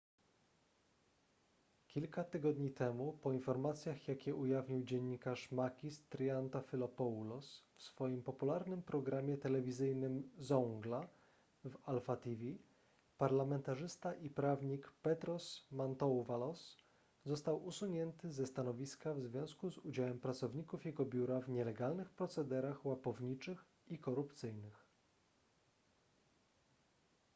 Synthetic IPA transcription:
kʲilkat̪ɘɡɔd̪ɲit̪ɛmupɔinfɔɾmat̪sʲjaxjakʲɛʔujavɲiwd͡ʑɛɲːikaʂmakʲist̪ɾjant̪afʲilɔpɔlɔsfsfɔjimpɔpulaɾnɘmpɾɔɡɾamʲjɛt̪ɛlɛvʲizɘjnɘmzɔŋɡla | valfat̪ivʲi | paɾlamɛnt̪aʐɘst̪aʔipɾavɲikpɛt̪ɾɔsmant̪ɔwvalɔs | zɔst̪awusuɲɛnt̪ɘzɛst̪anɔvʲiskavzvʲjɔ̃w̃skuzud͡ʑawɛmpɾat̪sɔvɲikufjɛɡɔbʲjuɾavɲɛlɛɡalnɘxpɾɔt̪sɛd̪ɛɾaxwapɔvɲit͡ʂɘx | ikɔɾupt̪sɘjnɘx

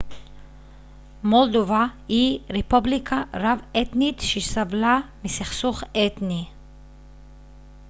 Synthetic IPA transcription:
mold̪ovahiʁepublikʰaʁavet̪nit̪ʃesavlamisiχsuχet̪ni

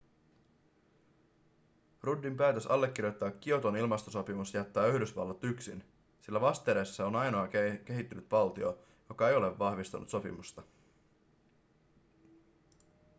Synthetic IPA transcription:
rudːimpæːt̪øsɑlːek̟ːirjojt̪ːɑːk̟ːio̞t̪onilmɑst̪oso̞pimusjæt̪ːæːyhdysʋɑ̰lːɑt̪yksḭn | silːæʋɑst̪eːɾesːɑo̞nɑjno̞ɑk̟e̞ɦit̪ːynyt̪ʋɑlt̪io | jo̞kɑe̞jo̞le̞ʋːɑhʋist̪ṵnṵt̪so̞pḭmust̪ɑ

